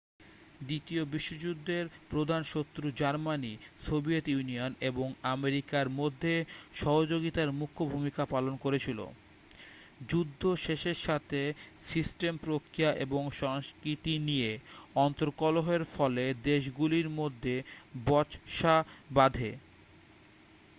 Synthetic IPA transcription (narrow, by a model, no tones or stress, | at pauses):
d̪it̪iobiʃːod͡ʑud̪ʱːeɾpɾod̪ʱanʃot̪ːɾud͡ʑaɾmanisobiet̪junioneboŋameɾikaɾmod̪ʱːeʃɔɦod͡ʑoɡit̪aɾmukʰːobʱumikapalonkoɾet͡ɕʰilo̰ | d͡ʑud̪ʱːoʃeʃeɾʃat̪ʰesisʈempɾokɾijaʔeboŋʃɔŋskɾit̪inijeɔnt̪oɾkɔloɦeɾfɔled̪eʃ̬ɡuliɾmod̪ʱːebɔʃabad̪ʱe